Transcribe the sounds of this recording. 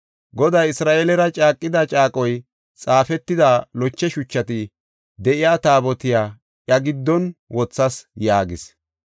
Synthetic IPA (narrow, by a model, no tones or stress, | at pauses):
ɡɔd̪ɐjɪsɾaːʔelɛɾɐt͡ʃʼaːkʼːɪd̪ɐt͡ʃʼaːkʼɔj | t͡sʼaːfɛt̪ːɪd̪alɔt͡ʃːɛʃʊt͡ʃːɐt̪ɪ | d̪ɛʔɪjaːt̪aːbɔt̪ɪjaː | ʔjɐɡɪd̪ːɔnwɔt͡sːɐsjaːɡɪs